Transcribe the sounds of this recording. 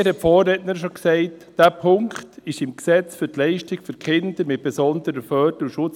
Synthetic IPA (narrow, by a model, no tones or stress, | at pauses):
hɛtfoːrɛtnəɾʃoksɛɪtd̥æːpʰʊŋkχtɪʃɪmksɛt͡sfyɾtlɛɪʃtɪɡføɾkχɪnd̥̪əɾmɪt̚b̥ɛsɔndəɾəfœːdəuʃʊt͡s